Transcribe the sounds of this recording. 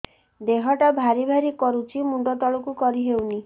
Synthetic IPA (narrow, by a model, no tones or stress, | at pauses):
d̪eɦɔʈabʱaɾibʱaɾikɔɾut͡ʃʰimuɳɖɔt̪ɔɭɔkukɔɾiɦewni